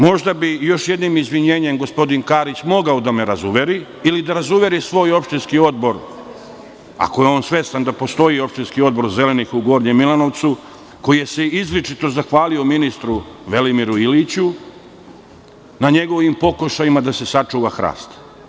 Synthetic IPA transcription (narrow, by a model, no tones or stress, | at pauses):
mo̞ʒd̪abijo̞ʃje̞d̪nimizʋiɲeːɲemɡo̞spo̞d̪inkaːɾit͡ɕmo̞ɡaod̪ameɾazuʋe̞ɾi | ilid̪aɾazuʋe̞ɾisʋo̞ːjo̞pʃt̪inskio̞d̪̚bo̞ɾ | a̰ko̞jeo̞ːnsʋe̞st̪and̪apo̞st̪o̞io̞pʃt̪inskio̞d̪bo̞ɾze̞le̞nixuɡo̞ɾɲemilˠano̞ʋt̪su | ko̞jije̞seizlit͡ʃit̪o̞zaxʋaːliominist̪ɾuʋe̞limiɾuilit͡ɕu | naɲe̞ɡo̞ʋimpo̞kuʃajimad̪ase̞sat͡ʂuːʋaxɾa̰ːst̪